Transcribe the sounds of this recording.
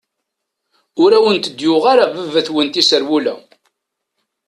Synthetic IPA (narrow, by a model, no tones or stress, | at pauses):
ʊɾæwənt̪əd̪jʊʁaɾavəvːæθwənt̪isəɾwulæ̰